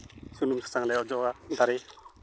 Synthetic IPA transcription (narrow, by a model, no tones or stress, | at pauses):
sunumsḁsaŋlɛɔd͡ʒɔad̪aɾe